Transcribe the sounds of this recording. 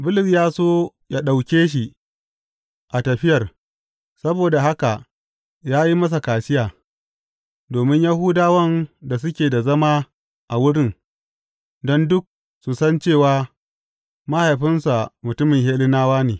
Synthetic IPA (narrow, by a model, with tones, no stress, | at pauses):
bʊ˦lɪ˨sjaː˦soː˦ | ja˦ɗa˨wkʲeː˦ʃ̬i˨ | ʔa˨tɐ˨ɸɪ˦jɐ˨r | sɐ˦boː˨da˨ɦa˦ka˨ʔ | jaː˦ji˦mɐ˦s̬a˨kaː˨sɪ˦jaː˨ | doː˨mɪ˦ɲja˦hu˦daː˦wɐ˦nda˨s̬ʊ˦kʲeː˨da˨zɐ˦maː˦ | ʔa˨wʊ˦ɽɪ˦n | dɔ˦ndʊ˦k̚ | su˨sɐ˦nt͡ʃeː˦˨waː˦ | mɐ˦ha˨jɸɪ˦nsa˨mʊ˨tʊ˦mɪ˨ŋɦeː˦lɪ˦naː˦waː˦neː˨